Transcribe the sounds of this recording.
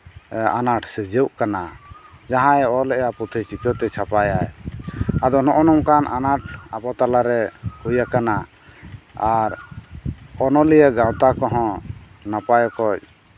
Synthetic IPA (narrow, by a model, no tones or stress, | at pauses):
anaʈʰsɛd͡ʒɛwʔkanad͡ʒaɦãɔlɛʔjaput̪ʰit͡ʃik̪ɔt̪ɛt͡ʃʰapajaj | ad̪ɔnɔʔɔnɔŋkanʔanaʈ̚ʰapat̪alaɾɛhujakana | aɾ | ɔnɔlijaɡãwt̪akɔɦɔ̃napajɔkɔc̚